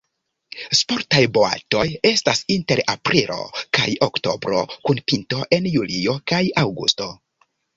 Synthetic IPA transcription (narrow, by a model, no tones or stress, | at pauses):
spo̞ɾtajbo̞a̰to̞je̞stasinte̞ɾapɾilo̞̰ka̰jokto̞̰bɾo̞̰kunpinto̞ʔe̞njulio̞kajawɡṵsto̞